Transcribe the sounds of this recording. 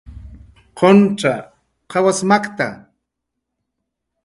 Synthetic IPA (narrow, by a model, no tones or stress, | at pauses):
qʰonʈ͡ʂa | qʰɑwasmakt̪a̰